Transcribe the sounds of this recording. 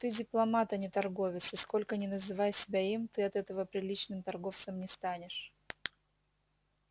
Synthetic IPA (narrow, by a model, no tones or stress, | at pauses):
t̪ɨdʲɪplˠɐmat̪ənʲɪt̪ɐrɡo̞vʲɪt̪sɨsko̞lʲkənʲɪnəzɨvajsʲɪbʲaimt̪ɨɐt̪ɛt̪əvəpɾʲɪlʲit͡ɕnɨmt̪ɐrɡo̞ft̪səmnʲɪst̪anʲɪʂ